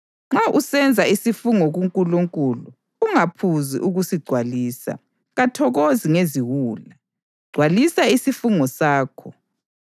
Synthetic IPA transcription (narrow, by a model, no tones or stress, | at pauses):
ŋ͡ǁaʔusɛnd͡zʱaisifuŋɔɣuŋkʼuluŋkʼulu | uŋapʰuzḭʔuɣusiɡ͡ǀʱwaliːsa̰ | ɣatʰɔɣoziŋeziwuːla | ɡ͡ǀ̥ʱwalisaisifuŋɔsaːkʰɔ